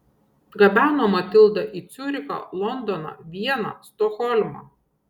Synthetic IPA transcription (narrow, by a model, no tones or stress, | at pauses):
d̪ɡɐbʲæːnoːmɐt̪ʲɪlˠd̪ɐʔiːt̪sʲʊɾʲɪkɐ̰lˠɔnd̪ɔnɐ̰ʋʲiɛnɐ̰st̪ɔxɔlʲmɐ̰